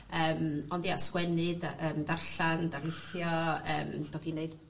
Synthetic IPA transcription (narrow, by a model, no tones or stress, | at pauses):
əːmɔndjaskwɛnɨdaəːmdarɬandaɾeθjɔə̰ːmd̥oːdineɨd